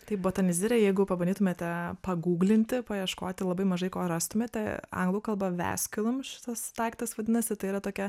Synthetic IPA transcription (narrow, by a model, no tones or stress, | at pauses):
t̪ɐɪpboːt̪ɐnʲɪzʲɪɾʲɛjɛɪɡʊpɐbɐnd̪ʲiːt̪ʊmʲeːt̪ʲɛpɐɡuːɡlʲɪnʲt̪ʲɪpɐjɛʃkoːt̪ʲɪlˠɐbɐɪmɐʒɐɪkoːrɑst̪ʊmʲet̪ʲɛɐ̰ŋɡlˠɐʊkɐlˠbɐʋʲæ̰ːsʲkʲɪlˠʊmʃʲɪ̥t̪ɐst̪ɑɪkt̪ɐsʋɐd̪ʲɪnɐsʲɪt̪ɐɪiːɾɐt̪oːkʲɛ